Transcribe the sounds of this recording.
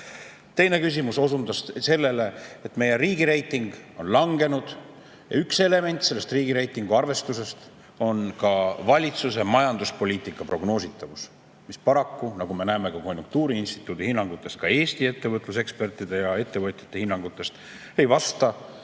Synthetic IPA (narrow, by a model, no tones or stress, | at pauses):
t̪e̞jne̞kys̬ʲimuso̞sund̪ɑsse̞lːe̞le̞et̪me̞je̞riːɡiɾe̞jt̪ˑːiŋɡ̥o̞nlɑŋɡ̥e̞nud̪̥ | jɑ̰ykse̞le̞me̞nʲt̪ˑse̞lːe̞st̪riːɡiɾe̞jt̪ːˑiŋɡ̥uɑrve̞st̪use̞st̪ | o̞nkɑvɑlʲit̪sus̬e̞mɑjɑnd̪̥uspo̞lʲiːt̪ˑikːˑɑpro̞ɡno̞ːsit̪ːˑɑvus | mispɑɾɑkːunɑɡ̥ume̞næeme̞kɑko̞nʲjuŋk̚t̪uːɾiinst̪i̥t̪ːˑud̪ihinːɑŋɡ̥ut̪ˑːe̞st̪̚kɑe̞ːst̪ie̞t̪ːe̞vɤt̪ˑlus̬e̞kspe̞rt̪ːˑid̪e̞jɑe̞t̪ːe̞vɤt̪ʲjɑ̥t̪ːˑe̞hinːɑŋɡut̪ːˑe̞st̪ | e̞jvɑst̪ɑ